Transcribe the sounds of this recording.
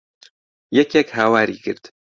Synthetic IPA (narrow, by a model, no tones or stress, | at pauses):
jɛkɛkhaːwaːɾḭːkʰɨ̰ɾd̪̥